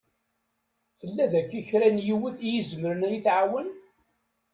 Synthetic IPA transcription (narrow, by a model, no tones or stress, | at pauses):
θəlːæðækːiçɾænjiwəθijizməɾənæjiθʕawən